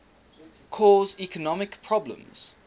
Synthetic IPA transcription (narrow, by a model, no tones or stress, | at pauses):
kʰɔːzikʰənɔmɪkpʰɹɔblə̰̃mz̥